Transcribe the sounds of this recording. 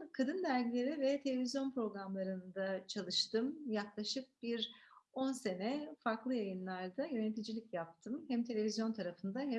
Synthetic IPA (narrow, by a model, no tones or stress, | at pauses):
kʰad̪ɯnd̪æɾɟilʲe̞ɾivɛt̪ʰe̞lʲe̞vʲizjo̞npɾo̞ɡɾamlˠaɾɯnd̪at͡ʃʰalˠɯʃt̪ʰɯmjaklˠaʃɯk̚b̥iɾo̞nse̞nɛfaɾklˠɯjajɯnlˠaɾd̪ajø̞net̪ʰid͡ʒilʲicjap̚t̪ʰɯmhɛmt̪ʰe̞lʲe̞vʲizjo̞nt̪ʰaɾafɯnd̪aɦɛ